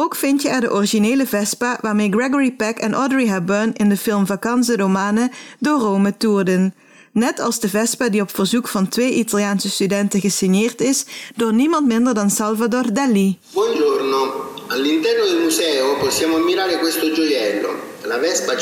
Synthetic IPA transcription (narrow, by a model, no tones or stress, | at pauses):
oːkfɪntjəɛrdəʔɔriʒineːləvɛspaʋaːɹmeːjɡrɛɡɔɹipɛkɛnʔɔdəɹiɦɛbənɪndəfɪlmvakɑns̬ədomaːnədoːrowmətuːrdənː | ɛtʰɑlˠzdəvɛspadiɔpfərzukfɑntʋejʔitaljaːnsəstydɛntəɣəsɪnɪːrtɪsd̥oːɹnimɑntmɪndərdɑnsɑlˠvadoːrdɛlːibwɔnd͡ʒornoalːint̪ɛrnod̪elmuzɛːopɔsːjaːmoamːiɾaːɾekwest̪od͡ʒojɛlːo̰ | lavɛspa